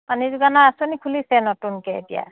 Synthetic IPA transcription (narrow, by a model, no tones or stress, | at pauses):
panizuɡanaːsɔnikʰulisɛnɔtunkɛḛtija̰